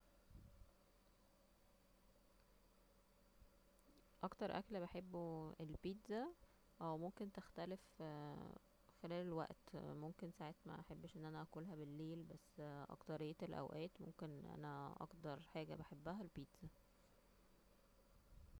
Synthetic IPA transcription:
ʔɑkt̪ɑɾˤʔæ̰klbeħebːuelpiːt̪zæ | ʔæwmomkent̪ext̪ælef | xelæːlelwæ̰ʔt̪momkensaʕet̪mæ̰ʔħebːʃʔenːʔænæʔækuːlɦæbelːeːlbæsːʔɑ̰kt̪ɑɾejːet̪elʔæ̰wʔæːt̪mo̰mkenʔæ̰næʔɑ̰kt̪ɑɾˤħaːɡæ̰beħebːæɦælpiːt̪z̥æ

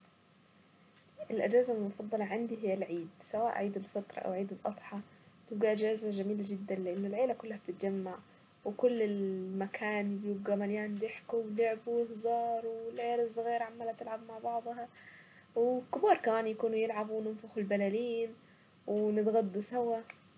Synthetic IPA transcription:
ʔɪlʔad͡ʒaːzamʊfɑd̪ˤːɑlɑʕɪnd̪iɦɪjːalʕiːd̪sawaːʔʕiːd̪ɪlfɑt̪ɾˤɑ̰ʔa̰wʕiːd̪ɪlʔɑt̪ˤħɑ | t̪ɪbɡiʔad͡ʒaːzad͡ʒamiːlad͡ʒɪd̪ːanlɪʔɪnːʊlʕeːlakʊlːahab̚t̪ɪt̪̚d͡ʒamːaʕ | wɪkʊlːɪlmakʰaːnbjubɡamaljaːnbɪħkuwlʊʕbuɪhzɑːɾˤwɪlʕeːlɪzˤɣiːɾʕamːalat̪ːɪlʕabmaʕbɑʕd̪ˤɦɑ | wɪkʊbɑːɾˤkamaːnjakuːnujɪlʕabwnɪnfaxʊlbalaliːn | wɪnɪt̪ɣad̪ːusawa

